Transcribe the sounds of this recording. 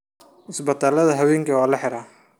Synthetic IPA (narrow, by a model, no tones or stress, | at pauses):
ʔɪsbɐt̪ʰaːlɐðɐɦɐwɛːŋkʰɐwaːlɐħɛɾaː